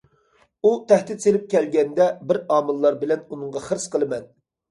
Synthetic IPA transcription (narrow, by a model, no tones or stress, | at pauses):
ut̪ʰɛht̪ɪt̪selɪp̚kʲʰɛlɡʲɛnd̪ɛbɪɾɑːmɨlˠːɑɾbɪlɛnunɨŋʁɑχəɾsqʰəlˠɨmɛn